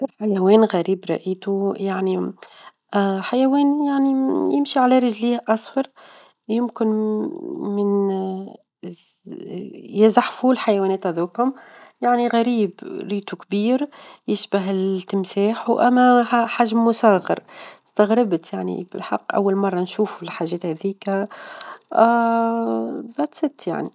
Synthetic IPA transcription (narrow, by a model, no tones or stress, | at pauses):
lħajæwɛːnɣæɾiːbɾˤɑ̰ʔiːt̪ujaʕni | ħajæwɛːnjaʕnijɪmʃiʕalæɾˤɪʒliːhʔɑsˤfɑɾˤ | jʊmkɪn | mɪn | jɪzaħfuːlħajæwɛːnɛːt̪æðuːkhʊmjaʕniɣæɾiːbɾiːt̪ukbiːɾjɪʃbaɦɪlt̪ːɪmsaːħwʔæmːæħaʒmmʊsɑːɣɑ̰ɾst̪aɣɾɪbt̪jaʕnḭbɪ̰lħɑ̰qːʔæ̰wːalmɑrˤːɑnʃuːfɪlħaʒːɛːt̪hæðiːk | ʔ | ðˤɑt̪sɪt̪ːja̰ʕni